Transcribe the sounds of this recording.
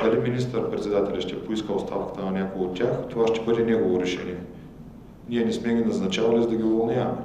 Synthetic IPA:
d̪ɐliminist̪əɾpɾɛt̪sʲɛd̪at̪ɛlʲɐʃt̪ɛpoiskəotst̪afkə̥t̪ənɐnʲakoɡəot̪ʲːaxt̪ovaʃt̪ɛbɤd̪ɛnɛɡovoɾɛʃɛniɛ | nʲiɛnɛsmɛɡʲinɐznɐt͡ʃavɐlʲizd̪ɐɡʲiovɐlˠnʲam

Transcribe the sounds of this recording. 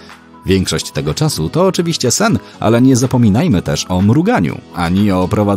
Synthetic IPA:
vʲjɛŋkʂɔɕt͡ɕt̪ɛɡɔt͡ʂasut̪ɔːt͡ʂɘvʲiɕt͡ɕɛsɛn | ʔa̰lɛɲɛzapɔmʲinajmɘt̪ɛʂɔmɾuɡaɲṵʔaɲiɔpɾɔva

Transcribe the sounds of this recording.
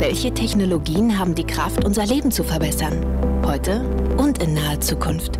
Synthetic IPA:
vɛlçətʰɛçnoloɡiːənɦaːbm̩diːkʁ̥aftʔʊnzɐleːbm̩t͡sufɛɐbɛsɐn | hɔʏtə | ʔʊntɪnːaːət͡suːkʰʊnft

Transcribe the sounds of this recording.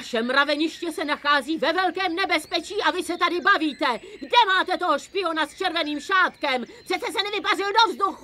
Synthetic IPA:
aʃɛmɾavɛɲɪʃcɛsɛnaxaːziːvɛvɛlkɛːmnɛbɛspɛt͡ʃiːʔavɪsɛt̪adɪbaviːt̪ɛɡdɛmaːt̪ɛt̪o̞ɦoʃpɪo̞nast͡ʃɛɾvɛniːmʃaːt̪kɛmpr̥ɛt̪t͡sɛsɛnɛvɪparɪldovzd̪uxu

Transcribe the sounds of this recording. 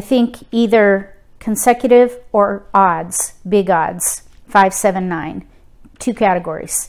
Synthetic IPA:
ɪθɪ̃ŋkʰiðə˞ | kʰn̩sɛkjɨɾɪvə˞ɑdz̥bɪɡɑ̰dz̥faɪv̥sɛvɨ̃nːãɪ̃n | tʰʉkʰæɾɨɡɔɹḭz̥

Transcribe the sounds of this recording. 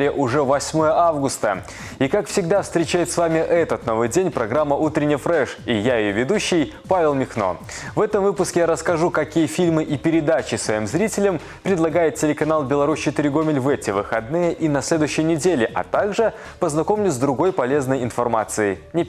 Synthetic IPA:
ɪʔʊʐɛvɐsʲmo̞jəʔavɡʊst̪ə | ikakfsʲɪɡd̪afst̪ɾʲɪt͡ɕæjɪt̪svamʲɪʔɛt̪ət̪no̞vɨjdʲenʲpɾɐɡɾamːəʔut̪ɾʲɪnʲːɪjfɾɛʂijajɪjovʲɪd̪uɕːɪj | pavʲɪlˠmʲɪxno̞̰ | vɛt̪əmvɨpʊskʲɪjaɾəskɐʐukɐkʲijəfʲilʲmɨʔipʲɪɾʲɪd̪at͡ɕɪsvɐimzɾʲitʲɪlʲəm | pɾʲɪd̪lˠɐɡajɪt̪̚ʲtʲɪlʲɪkɐnalˠbʲɪlˠɐɾust͡ɕɪt̪ɨɾʲɪɡomʲɪlʲvɛtʲɪvɨxɐd̪̚nɨjəʔinɐsʲlʲe̞d̪ʊjɕːɪjnʲɪdʲelʲɪʔɐ̰t̪aɡʐɨ | pəznɐkomʲnʲʊzd̪ɾʊɡo̞jpɐlʲe̞znəjɪnfɐrmat̪sɨjɪnʲɪ

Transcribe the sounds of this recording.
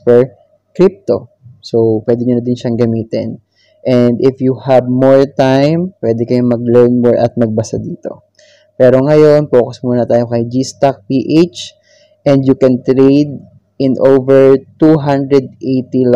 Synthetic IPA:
pɛɹ | kɾip̚t̪o̞ | sowpwɛːd̪ɛɲʊnɐd̪ɪnʃɐŋɡɐmiːt̪ɪn | ʔɛnd̪ɪfjuhɐb̚moɹt̪ajmpwɛːd̪ɛkɐjomɐɡ̚lɛɹnmɔɹʔɐ̰t̪̚mɐɡ̚bɐsad̪iːt̪o̞̰ | pɛːɾo̞ŋɐjo̞npoːkosmuːnɐt̪aːjokɐjd͡ʒist̪ak̚piʔet͡ʃ | ʔɛ̃nd̪jʊkɛnt̪ɾejd̪̚ | ʔɪnʔowvɛɹt̪uɦãnd̪ɾɛd̪̚ʔejt̪il

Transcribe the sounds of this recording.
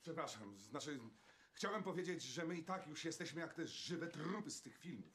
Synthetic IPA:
pʂɛpɾaʂamznat͡ʂɘ | xt͡ɕawɛmpɔvʲjed͡ʑed͡ʑʐɛmɘit̪akjuʂjɛst̪ɛɕmɘjakt̪ɛʐɘvɛt̪ɾupɘst̪ɘxfʲilmuf

